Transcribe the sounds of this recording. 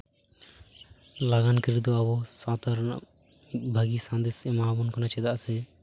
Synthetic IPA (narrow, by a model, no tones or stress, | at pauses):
laɡankɾid̪ɔabɔsad̪aɾna̰ʔ | mit̪̚ˀbʱaɡisãnd̪esɛmabunkanat͡ʃɛd̪aʔsɛ